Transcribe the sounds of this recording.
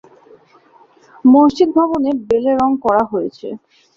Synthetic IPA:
monʃid̪̚bʱɔbonebeleɾɔŋkɔɾaɦojet͡ɕʰḛ

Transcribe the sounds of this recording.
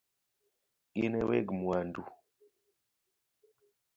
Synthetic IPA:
inɛwɛɡmwandu

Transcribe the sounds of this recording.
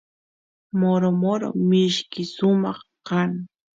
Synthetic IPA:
moɾomoɾo̰mɪʃkɪʃʊmɑχkaŋ

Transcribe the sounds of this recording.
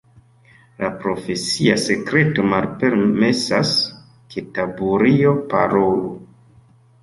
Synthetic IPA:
lapɾo̞fe̞siase̞kɾe̞to̞malpe̞ɾme̞sas | kʰetabuɾio̞pa̰ɾolu

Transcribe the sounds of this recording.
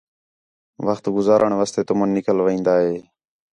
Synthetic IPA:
ʋəxt̪ɡʊzaːɾʔəɳʋəst̪eːt̪ʊmənːɪkəlʋəĩːnd̪aːɦeː

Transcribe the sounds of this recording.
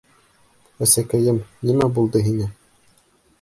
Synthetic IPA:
æsækæjɘmnimæbulˠd̪ɤɦinɘ

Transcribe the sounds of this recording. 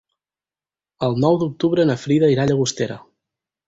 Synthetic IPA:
əlˠnɔwd̪uk̚t̪uβɾənəfɾiðəiɾaʎəɣust̪eɾə̰

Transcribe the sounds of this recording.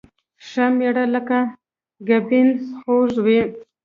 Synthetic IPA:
ʂameɽaləka | ɡabinsxoʒwi

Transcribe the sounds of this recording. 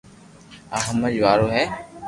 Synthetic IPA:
aɦəməd͡ʒʋaːɾoːɦɛː

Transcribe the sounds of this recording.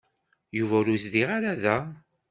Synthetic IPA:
juvæɾuzðiʁaɾaðæ

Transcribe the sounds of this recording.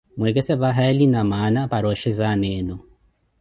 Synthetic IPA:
mwɛkɛsɛβaɦaɛlinamanapaɾɔʃɛzanɛːnɔ

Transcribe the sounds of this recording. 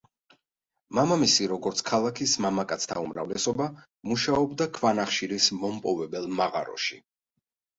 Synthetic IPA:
mamamisiɾɔɡɔɾt̪sʰkʰalˠakʰismamakʼat̪sʰt̪ʰaumɾa̰vlɛsɔba | muʃaɔbd̪akʰvanaχʃiɾismɔmpʼɔvɛbɛlˠmaʁa̰ɾɔ̰ʃi

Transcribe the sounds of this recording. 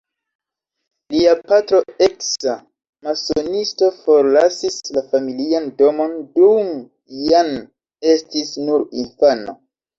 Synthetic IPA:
liapatɾo̞eksa | masonisto̞fo̞ɾlasislafamiliando̞mo̞ndum | jan | e̞stisnuɾinfana̰

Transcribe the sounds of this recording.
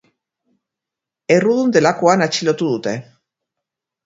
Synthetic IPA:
eruðund̪e̞lakoanat͡ʃilo̞t̪uðut̪e̞

